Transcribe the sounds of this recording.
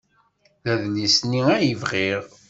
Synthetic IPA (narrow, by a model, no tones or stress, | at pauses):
ðæðlisniæjəvʁiʁ